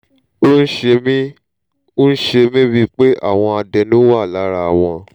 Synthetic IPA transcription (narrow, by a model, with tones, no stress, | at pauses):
o˦n̩˦ʃe˧mĩ˦ | o˦n̩˦ʃe˧mĩ˦bi˧k͡pe˦ʔa̰˦˨w̃ɔ̃˧a˧dɛ˧nũ˦wa˦˨la˨˦ɾa˧a˨w̃ɔ̃˧